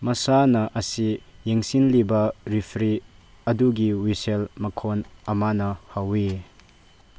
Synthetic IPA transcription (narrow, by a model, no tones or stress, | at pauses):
mɐsanɐʔɐsijeŋsinlibɐɾipʰɾi | ɐduɡiwiselmɐkʰonɐmanɐhawi